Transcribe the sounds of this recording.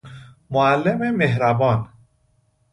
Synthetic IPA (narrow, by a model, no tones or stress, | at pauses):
moælːememeɦɾæbɒːn